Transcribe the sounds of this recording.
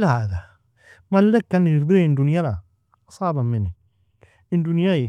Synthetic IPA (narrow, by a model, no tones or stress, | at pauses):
lhaða | malːekːaniɾdiend̪unjala | sˤaːbamɪnːi | ɪndunjaji